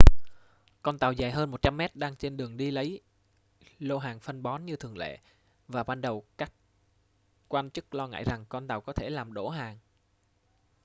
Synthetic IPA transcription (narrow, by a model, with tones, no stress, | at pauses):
kɔ˧nt̪aː˨˩wzaː˨˩jɦəː˧nmo˨˩t̚t͡ɕa˧mːɛ˦˥t̚ɗaː˧ŋt͡ɕe˧nɗɨ˨˩əŋɗi˧lə˨˦j | lo˧ɦaː˨˩ŋfə˧nɓɔ˨˦nɲɨ˧t̪ʰɨ˨˩əŋlḛ˧˨ | vaː˨˩ɓaː˧nɗə˨˩wkaː˦˥k̚ | kːwaː˧nt͡ɕɨ˦˥k̚lɔ˧ŋa̰ː˧˨jza˨˩ŋkɔ˧nt̪aː˨˩wkɔ˨˦t̪ʰe˧˩laː˨˩mɗo˧˩ɦaː˨˩ŋ